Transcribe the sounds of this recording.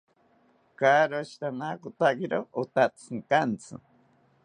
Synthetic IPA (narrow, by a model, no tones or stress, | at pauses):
kaːɾoʃi̥t̪anakot̪akeɾoot̪at͡sʰɨŋkant͡sʰɨ̰